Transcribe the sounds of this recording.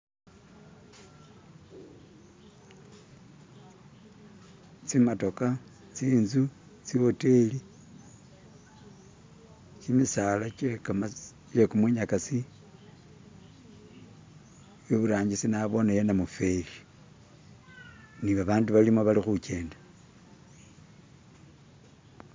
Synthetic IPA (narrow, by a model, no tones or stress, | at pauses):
t͡simato̞ka | t͡siːnzu | t͡siwoteli | t͡ʃimisalat͡ʃekam | t͡ʃekumwiɲakasi | joβuɾaːɲɟisinaβo̞najenamufe̞li | niβaβaːnduβalimoβalixut͡ʃe̞ːnda